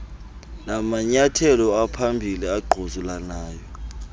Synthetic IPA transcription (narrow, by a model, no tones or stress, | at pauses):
namaɲatʰɛlɔapʰambʱiliaɡ͡ǃʱozulanaːjɔ